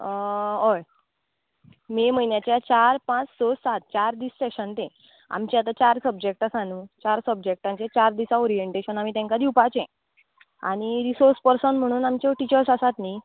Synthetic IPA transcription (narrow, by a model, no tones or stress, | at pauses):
oj | meməjnjat͡ɕjat͡ɕaɾpãt͡ssɔsat̪̚t͡ɕaɾd̪iːsseɕənt̪ẽ | a̰mt͡ɕeat̪at͡ɕaɾsəb̚d͡ʑek̚ʈasanũt͡ɕaɾsəbd͡ʑek̚ʈãɲt͡ɕet͡ɕaɾd̪isaoɾieɳʈeɕənam̤it̪ãŋkad̪iupat͡ɕɛ̃ | a̰ɽ̃iɾisoɾspəɾsənm̤əɽ̃uːnamt͡ɕɔʈit͡ɕəɾsasat̪ni